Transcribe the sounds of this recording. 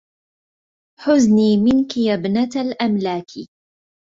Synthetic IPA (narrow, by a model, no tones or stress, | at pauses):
ħʊzniːmɪnkɪjabnat̪alʔamlaːkʰi